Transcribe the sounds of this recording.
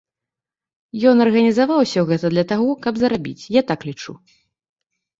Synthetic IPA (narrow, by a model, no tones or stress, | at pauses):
jɔnɐrɣɐnʲizavawsʲɐɣɛt̪ɐd̪lʲɐt̪aɣɔkɐbzɐɾabʲḭt͡sʲjat̪aklʲit͡ʂṵ